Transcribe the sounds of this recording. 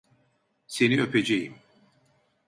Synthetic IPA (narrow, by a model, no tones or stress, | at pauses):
se̞niø̞pʰed͡ʒejim